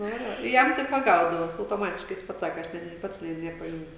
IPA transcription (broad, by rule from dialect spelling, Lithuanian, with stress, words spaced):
ˈnʊ ɪr ˈʋɐ ˈjɛm tɐɪp ˈʋɐ ˈɡɐʊdɐʋoːs ɐʊtoːˈmɑːtʲɪʃkɐɪ jɪs ˈpɐts ˈsɑːkɐ ˈɐʃ ˈnʲɛt nʲeː ˈpɐts ˈnʲɛ nʲɛpɐˈjʊntʊ